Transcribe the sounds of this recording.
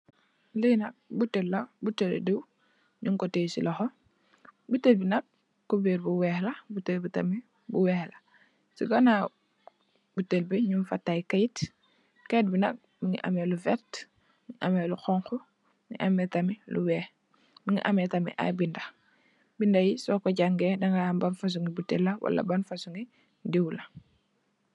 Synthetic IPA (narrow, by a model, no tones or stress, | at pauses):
lijnɐk̚butelːobutel̰diw | ɲuŋkɔteːsḭlɐxɔ | butelbinɐk̚ | kobiɾbuwɛːhlɐbutelbitami | buwɛːhla | siɡɐna | butelbiɲumfatːajkajt | kejt̚binɐk̚ | miŋḭʔa̰mɛlufɛt | miŋiʔa̰mɛluxɔŋxɔ | iŋḭʔɐmɛtɐmilṵwɛːx | miŋḭʔamɛtɐmḭʔa̰jbindɐ | bindɐjisɔːkɔɟaŋɡɛːdɐŋɡaambanfas̬uŋɡibutelːɐwɐ̰lɐ̰bɐnfasuŋi | diwlɐ